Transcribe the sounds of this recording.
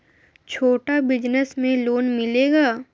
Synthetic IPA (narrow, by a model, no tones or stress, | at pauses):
t͡ʃʰoːʈabɪd͡ʒnəsmẽloːnmɪleːɡaː